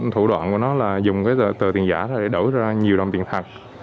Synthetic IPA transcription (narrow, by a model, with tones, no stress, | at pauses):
t̪ʰu˧˩ɗwa̰ː˧˨nku˧˩ənɔ˨˦laː˨˩zʊ˨˩ŋ͡mkaː˨˦jə˨˩t̪əː˨˩t̪i˨˩ənza̰ː˧˩ɾɔ˨˦ɗe˧˩˦ɗə˧˩jzaː˧ɲi˨˩əwɗə˨˩wŋ͡mt̪i˨˩nt̪ʰa˨˩k̚